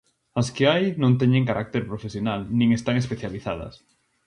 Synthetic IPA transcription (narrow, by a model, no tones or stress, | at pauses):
askeajnõnt̪ɛɲẽŋkaɾak̚t̪eɾpɾofesjonalnĩŋest̪aŋespeθjaliθa̰ðɐ̰s